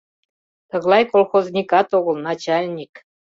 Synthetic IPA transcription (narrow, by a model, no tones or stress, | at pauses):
t̪ə̆ɣlˠɑjkolxoznʲikɑt̪oɣə̆lˠnɑt͡ɕɑlʲnʲik